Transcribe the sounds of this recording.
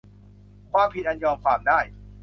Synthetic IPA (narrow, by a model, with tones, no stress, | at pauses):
kʰwaː˥˩mpʰi˧t̪̚ʔa˧njɔː˧mkʰwaː˧mdaː˥˩j